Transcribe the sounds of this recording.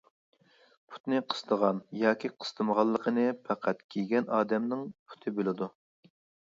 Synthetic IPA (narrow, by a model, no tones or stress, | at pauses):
pʰu̥t̪nɨqʰə̥st̪ʰəʁɑnjɑːkʲiqʰə̥st̪ʰəməʁɑlˠːəqʰənɨpʰæqʰæt̪kʲʰiɡʲɛnɑːd̪ɛmnɪŋpʰu̥t̪ʰɨbelɪd̪u